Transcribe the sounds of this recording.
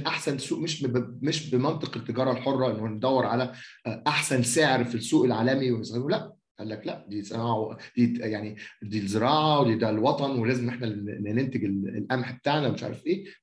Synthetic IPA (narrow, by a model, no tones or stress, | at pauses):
nʔaħsænsuːʔmeʃmeʃbemɑnt̪ˤeqet̪ːeɡɑːɾˤɑlħorˤːɑʔenːohæned̪æwːeɾʕalæʔaħsænseʕeɾfisːuːʔelʕaːlæmiwenesɣiulæʔ | nʔælːæklæʔd̪iːsenɑːʕawd̪̥iːjaʕnid̪iːlzeɾɑːʕawed̪iːd̪ælwɑt̪ˤɑnwelæːzemneħnænent̪eɡelḛlʔæmħbet̪aʕnæmeʃʕa̰ɾɑfʔeː